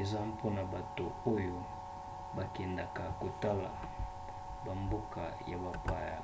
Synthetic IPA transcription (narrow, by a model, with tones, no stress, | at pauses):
e˨za˦po˦na˨ba˨to˨o˦jo˦ | ba˨kɛ˨nda˨ka˨ko˨ta˦la̰˨ | ba˨mbo˦ka̰˨ja̰˨ba˨pa˨ja˨